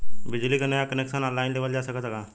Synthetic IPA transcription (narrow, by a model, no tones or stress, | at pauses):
bɪd͡ʒlikanəjakəneksənɔ̃ːlːaːɪnd̪eːʋəld͡ʒaːsəkət̪kaː